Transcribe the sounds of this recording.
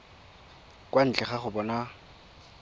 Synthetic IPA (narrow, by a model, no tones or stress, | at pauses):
kʼwan̩t͡ɬʼɛχaχʊbɔna